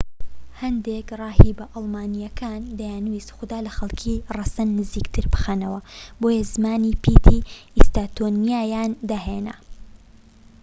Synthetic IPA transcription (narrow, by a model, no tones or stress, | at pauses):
hɐnd̪ekrɑːɦiːbɐʔɑlˠmaːnijɐkʰaːnd̪ɐjaːnwiːsxʊd̪aːlɐxɐlˠkʰiːrɐsɐnːɨziːkt̪ʰɨɾbɨxanɐwɐboːjɐzɨmaːnipʰiːt̪ʰiist̪aːt̪ʰoːnijaːjaːnd̪ɐɦeːnɐ̰